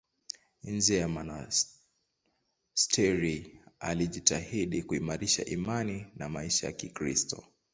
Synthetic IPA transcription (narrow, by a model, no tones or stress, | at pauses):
nzijamana | stʰɛɾialiʄitahiɗikuimaɾiʃa̰ʔimaninamaiʃaja̰kikɾḭstʰɔ̰